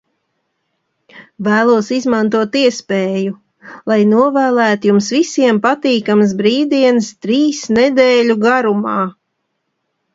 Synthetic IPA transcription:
væːlˠuɔsizmant̪uɔt̪iɛspeːju | lˠajnuɔvæːlˠæːt̪ujumsvisiɛmpat̪iːkams̬bɾiːd̪iɛnst̪ɾiːsnɛd̪eːʎʲuɡaɾumɑː

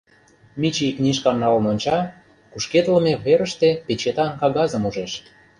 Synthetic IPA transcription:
mʲit͡ɕiknʲiʃkɑmnɑlnonʲt͡ɕɑ | kuʃket̪ləmeβeɾə̆ʃt̪epet͡ɕet̪ɑnkɑɣɑzə̆muʒeʃ

